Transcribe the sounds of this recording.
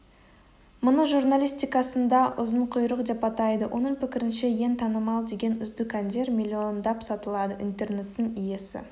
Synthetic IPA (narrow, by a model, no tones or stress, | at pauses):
mʊnəʒurnalʲijst̪ijkɑsənd̪ɑʔʊzəɴqʰʊjɾəqd̪epɑt̪ɑjd̪əwʔo̞̰nəɴpɪkʲɪɾɪnʃeje̞nt̪ʰɑnəmɑlˠd̪e̞ɡʲe̞nʏzd̪ɪkʲand̪e̞ɾmʲilʲːio̞nd̪ɑpsɑt̪əlˠɑd̪əʔint̪e̞rne̞t̪ːɪŋije̞sɪ̰